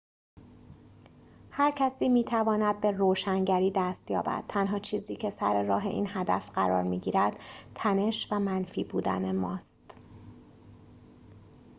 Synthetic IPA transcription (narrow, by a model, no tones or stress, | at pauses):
hæɾcʰæsiːmiːt̪ʰævɒːnæd̪̚be̞roːʃæŋɟæɾiːd̪æːst̪jɒːbæ̰d̪̥̚t̪ʰænɦɒːt͡ʃʰiːziːcʰe̞sæɾe̞ɾɒːɦe̞̰ʔiːnhæd̪æfɢæɾɒ̰ːɾmiːɟiːɾæd̪̥t̪ʰæne̞ʃvæmænfiːbuːd̪æ̰ne̞mɒːst̪